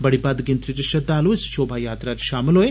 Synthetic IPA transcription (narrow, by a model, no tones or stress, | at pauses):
bɐɽibaːd̪ɡent̪ɾiɾiʃɐd̪ːaːloʋsi̥t͡ʃoːbʱaːjaːt̪ɾaːɾʃaːmɐloːe